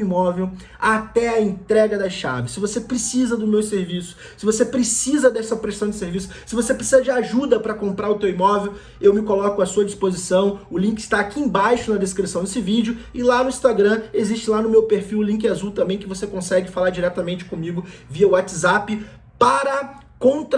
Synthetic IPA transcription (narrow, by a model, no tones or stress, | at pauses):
imɔvew | at̪ɛɐẽnt̪ɾɛɡɐd̪ɐʃa̰vɪsɪvosepɾesizɐd̪ʊmewseɾvisʊ̥ | sɪvosepɾesizɐd̪ɛsɐpɾesɐ̃w̃d͡ʒɪseɾvisʊ̥sɪvosepɾesizɐd͡ʒɪaʒud̪ɐpɾɐkõmpɾaɾʊt̪ewimɔvew | ewmɪkolɔkʊɐsuɐd͡ʒispozisɐ̃w̃ʊlĩkɪ̥st̪aːkiẽbajʃʊnɐd̪eskɾisɐ̃w̃d̪esɪvid͡ʒɪʊɪlanʊĩst̪aɡɾɐ̃ezist͡ʃɪlanʊmewpeɾfiwʊlĩŋk̬ɪazuwt̪ɐ̃mbẽj̃kɪvosekõsɛɡɪfalaɾd͡ʒiɾɛt̪ɐmẽnt͡ʃɪ̥kõmiɡʊviɐʊat͡ʃɪzapɪ | paɾɐ | kõt̪ɾ